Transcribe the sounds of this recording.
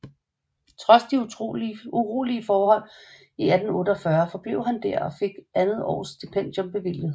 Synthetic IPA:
t͡sʰʁɒ̽sd̥i | uʁo̰ːliəfɒːhɒ̽l̰ | iæd̥n̩ɔ̽ːd̥əɒ̽fɶɐfɒ̽b̥le̝ʊɦænd̥æɐ̰ɒ̽fe̝ɡ̥ænð̩ˠɒ̰ːsd̥ipʰen̰d̥jo̽mb̥e̝ʋil̰jð̩ˠ

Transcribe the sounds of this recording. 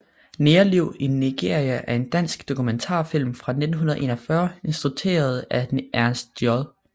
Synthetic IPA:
neːɐliʊ̰inːiɡ̥e̝̰ɐ̰ʁiæʔæɐe̝nd̥æn̰sɡ̥d̥o̝kʰument͡sʰɑ̰̈fil̰mfʁɑ̈ne̝d̥n̩ɦunɐð̩ˠʔe̝ːnɒfɶːɐe̝nsd̥ʁut͡sʰe̝̰ːɐð̞̩ˠæʔæɐnsd̥jɒðˠ

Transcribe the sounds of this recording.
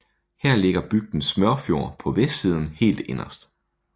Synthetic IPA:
hæɐ̰le̝ɡ̥ɐb̥yɡ̥̚d̥n̩smœɐfjo̝ɐpʰɒ̽ʋesd̥siːð̞ˠn̩he̝̰ːld̥e̝nɐsd̥

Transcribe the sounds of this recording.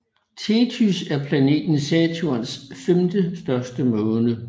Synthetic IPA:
t͡sʰe̝t͡sʰysæɐpʰlæne̝̰ːd̥n̩sɛt͡sʰuɐnsfemd̥əsd̥ɶɐsd̥əmɔ̽ːnə

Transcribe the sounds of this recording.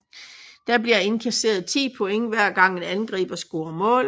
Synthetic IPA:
d̥æb̥liɐe̝nkʰæse̝̰ːɐð̞ˠt͡sʰḭːpʰɔ̽eŋəʋæɐ̰ɡ̥ɑ̈ŋ̰enænɡ̥ʁḭːb̥ɐsɡ̥o̝ːɐmɔ̰̽ːl

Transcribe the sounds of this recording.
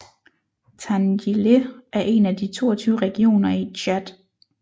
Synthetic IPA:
t͡sʰænjileʔæɐʔe̝næd̥it͡sʰo̝̰ːɐt͡sʰyːʊʁɛɡ̥io̝̰ːnɐiɕʰæd̥

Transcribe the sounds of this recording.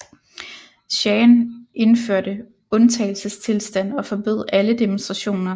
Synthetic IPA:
ɕɛːnʔe̝nføɐ̰d̥ə | ɔ̽nt͡sʰɛɪl̩səst͡sʰe̝lsd̥æn̰ɒ̽fɒ̽b̥ø̝ðˠæləd̥emonsd̥ʁɑ̈ɕo̝̰ːnɐ

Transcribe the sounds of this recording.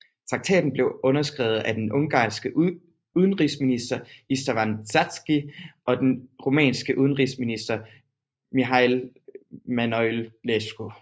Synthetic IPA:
t͡sʰʁɑ̈ɡ̥̚t͡sʰɛ̰ːd̥n̩b̥le̝ʊɔ̽nɐsɡ̥ʁɛːʊð̩ˠæd̥enʔɔ̽ŋɡ̥ɑ̰̈ːsɡ̥ə | uð̞ˠn̩ʁisminisd̥ɐisd̥fænt͡sʰæd̥sɡ̥iʔɒ̽d̥enʁo̝mɛ̰ːnsɡ̥əʔuð̞ˠn̩ʁisminisd̥ɐ | miɦɑɪl | mænɔllesɡ̥o

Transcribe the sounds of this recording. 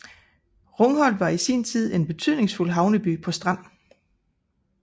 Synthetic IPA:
ʁɔ̽ŋɦɒ̽l̰d̥ʋɑ̈isiːnt͡sʰið̞̰ˠe̝nb̥e̝t͡sʰyð̞̰ˠne̝ŋsful̰ɦɑ̈ʊnəb̥ypʰɒ̽sd̥ʁɑ̈n̰

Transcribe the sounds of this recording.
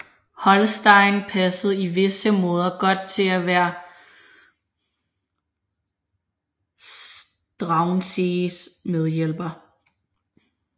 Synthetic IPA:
hɒ̽lsd̥ɑ̈ɪ̰npʰæsð̞̩ˠiʋe̝səmɔ̽ːð̞ˠɐɡ̥ɒ̽d̥̚t͡sʰe̝læʋæːɐ | s | d̥ʁɑ̈ʊnsesmeð̞ˠjel̰b̥ɐ

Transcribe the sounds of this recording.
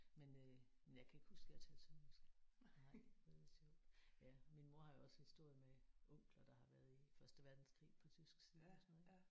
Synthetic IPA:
menø | menjɑ̈ɪkʰæe̝ɡ̥husɡ̥jät͡sʰɛːl̥sʰemensɡ̥ɑ̥̈oðˠsjɔʊ̰d̥jæminmo̝ɐhɑ̈jo̝ɒ̽shisd̥o̝ɐ̰jəmeʔɔ̽ŋ̰ɡ̥lɐd̥ɑ̈hɑ̈ʋæɐð̩ˠifɶɐsd̥əʋæɐd̥n̩skʰʁḭːpʰɒ̽t͡sʰysɡ̥siːð̩ˠɒsɔnɔe

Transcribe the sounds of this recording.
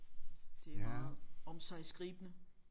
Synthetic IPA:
d̥e̝æð̩ˠɒ̽msɑ̈ɪsɡ̥ʁiːb̥ənə

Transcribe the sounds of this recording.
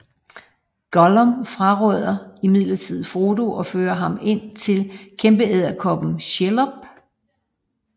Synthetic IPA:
ɡ̥ɒlɒmfʁɑ̈ʁœð̰ˠɐimið̰ˠlɐt͡sʰið̞̰̩ˠfo̝ːdo̝ʔɒ̽føːɐɦɑ̈me̝n̰t͡sʰe̝lkʰemb̥əeð̰ˠɐkʰɒ̽b̥n̩ɕelɒb̥̚

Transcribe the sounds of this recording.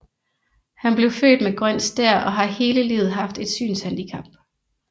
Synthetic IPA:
hænb̥le̝ʊfø̰ːd̥meɡ̥ʁœn̰sd̥æɐ̰ɒ̽ɦɑ̈he̝ːləlḭːʊð̩ˠɦɑ̈fd̥e̝d̥sy̰ːnshænd̥ikʰɑ̈b̥̚

